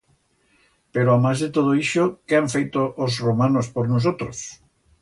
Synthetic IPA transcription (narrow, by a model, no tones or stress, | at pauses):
peɾoamazðet̪oð̞oiʃokeaɱfejt̪oʔːzromanospoɾnos̬ot̪ɾos